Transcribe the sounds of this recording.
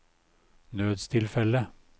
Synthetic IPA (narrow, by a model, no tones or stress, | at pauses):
nøːd̪st̪ʰɪlfɛlə